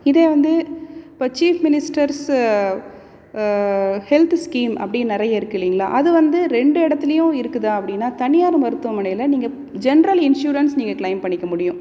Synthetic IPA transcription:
ɪðeːʋɐnd̪ɯɪpːoːt͡ʃiːfmɪnɪsʈɐɾs | hɛlt̪skiːmʔɐ̰pːɐɽɪjnɪɾɐjɐɪɾɯkːɪlːiːŋɡɐɭa̰ːʔɐðɯʋɐnd̪ɯɾɛɳɖɯɛɽɐt̪ːɪlɐjʊ̃ɪɾɯkːɯðaːɐpːɐɽɪnːaːt̪ɐnɪjaːɾɯmɐɾɯt̪ːɯʋɐmɐɳɐjlɐniːŋɡɐ | d͡ʒɛnɐɾɐlɪnʂjuːɾɐnsniːŋɡɐklɐɪmpɐɳːɪkːɐmʊɽɪjʊ̃

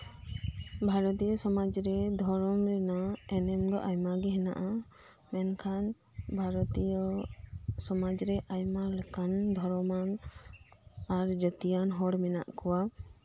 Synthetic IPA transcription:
bʱaɾɔt̪̬ijɔsɔmad͡ʒɾɛd̪ʱɔɾɔmɾɛnaɛnɛmd̪ɔ̰ʔajmaɡɛɦɛna̰ʔa | mɛnkʰan | bʱaɾɔt̪ijɔ | sɔmad͡ʒɾɛʔajmalekand̪ʱɔɾɔman | aɾd͡ʒət̪ijanɦɔɽmɛna̰ʔkɔwa

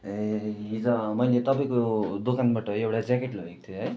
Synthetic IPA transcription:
eɦid͡zʌmʌjlet̪ʌpaj̃kod̪okanbaʈʌɦewɽad͡zakeʈloɦek̚t̪ʰjoɦʌj

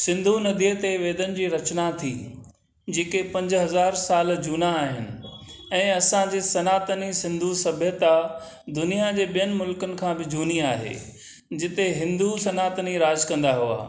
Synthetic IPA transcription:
sɪ̃nd̪ʱunɐd̪ʱiət̪eʋeːd̪ənɪ̆d͡ʑiːɾɐt͡ɕnat̪ʰiː | d͡ʑeːkepɐ̃ɲd͡ʑɦɐzaːɾsaːld͡ʑuːnaːɦɪnɪ̆ | ɛ̃ːɐsãd͡ʑeːsɐnaːt̪ənisɪ̃nd̪ʱusɐbʱjət̪a | d̪ʊnijad͡ʑeːɓijənɪ̆mʊlkənɪ̆kʰãːbɪd͡ʑʱuːniaːɦḛː | d͡ʑɪt̪eɦɪ̃nd̪usɐnaːt̪əniɾaːd͡ʑkɐ̃nd̪aɦua̰ː

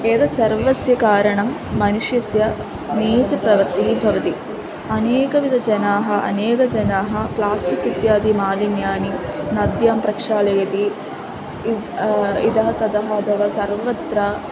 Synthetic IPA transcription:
eːd̪ɐsɐɾʋɐsjɐkaːɾɐɳɐmː | ɐnuʂjɐsjɐ | niːt͡ʃɐpɾɐʋɐɾt̪iɦibʱɐʋɐt̪i | ɐneːkɐʋid̪ʱɐd͡ʒɐnaːɦɐʔɐ̰neːkɐd͡ʒɐnaːɦɐ̆plaːsʈikit̪jaːd̪imaːlinjaːninɐd̪jaːmpɾɐkʂaːlɐjɐt̪i | id̪ɐɦɐt̪ɐd̪ɐɦɐɐt̪ʰɐʋaːsɐɾʋɐt̪ɾa

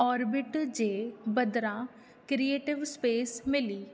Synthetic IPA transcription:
ɔːɾbɪʈd͡ʒeːbəd̪ɾãː | kɾieːʈɪʋspeːsmɪliː

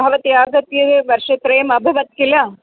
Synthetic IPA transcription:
ɐʋɐt̪ijaːɡɐt̪jɐeʋɐɾʃɐt̪ɾɐjɐmɐbʱɐʋɐt̪̚kilɐ

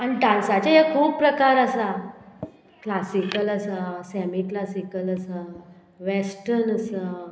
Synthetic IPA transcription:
añiɖãnsat͡ɕaɦekʰuːbpɾəkaɾəsa | klasikələsəsɛmiklasikələsə | ʋesʈəɾnəsə

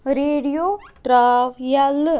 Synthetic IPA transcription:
ɾeɽijot̪ɾaʋjalːə

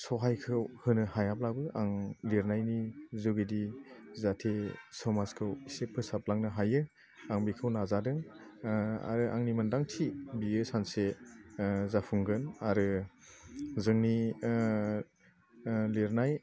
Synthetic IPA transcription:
sɔɦajkʰɯwhɯnɯhajap̚labɯʔaŋleɾnajnizuɡedizatʰesɔmaskʰɯwisepʰɯsap̚laŋnɯɦajɯ | aŋbikʰɯwnazadɯŋ | a̰ɾɯʔa̰ŋnimɯndaŋtʰibiɯsanse | zapʰuŋɡɯnaɾɯ | zɯŋni | liɾnaj

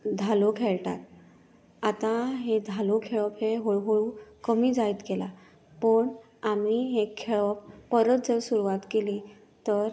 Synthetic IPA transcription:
d̪ʱalokʰeɭʈa̰t̪̚ | at̪ãɦed̪ʱalokʰeɭəpɦeɦoɦoɭukəmiːd͡zait̪ɡela | pəɳ | amiɦekʰeɭəpːəɾət̪d͡zəɾsuɾuʋat̪keli | t̪əɾ

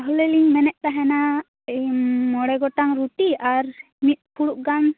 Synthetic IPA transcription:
aɦulɛliŋmɛnɛʔ̚ˀt̪aɦɛna | mɔɽɛɡɔʈaŋɾuʈiaɾ | mit̪̚ˀpʰuɽuʔ̚ɡan

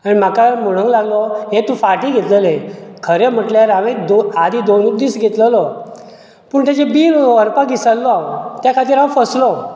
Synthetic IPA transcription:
añim̤akamoɽ̃ə̃ŋɡlaɡlɔɦet̪ufaʈiːɡʱet̪ləlẽkʰəɾem̤əʈljaɾaʋẽd̪oad̪id̪onud̪iːsɡʱet̪ləlɔ | pəːɳt̪jat͡ɕebiːɾəɾpaɡisəlːɔat̪jakʰat̪iːɾãʋfəslɔ

